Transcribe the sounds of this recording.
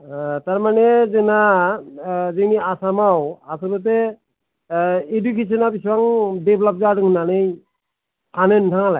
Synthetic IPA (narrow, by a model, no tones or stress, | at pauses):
taɹmanɛzɛna | zeniasamawasɔbɔt̬ɛ | edukes̬ɔnapiswaŋdeblap̚zadɯŋnanɯjʰ | anentʰaŋalaj